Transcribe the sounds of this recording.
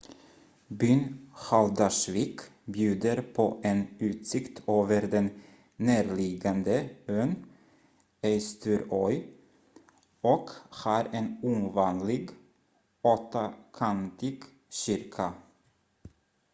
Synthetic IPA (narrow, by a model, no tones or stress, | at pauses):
byːnhald̪ɑʂvikbjʉ̟ːd̪əɾpʰɔʔɛnʉ̟ːt̪sɪkt̪ʰoːvəɾd̪ɛnː | æːɾlɪɡand̪əøːn | ɛɪst̪ʰʉɾɔʏ | ɔkhɑːɾɛnuːmvɑːnlɪɡ | ot̪akʰant̪ɪɡ | ɕʏɾkʰa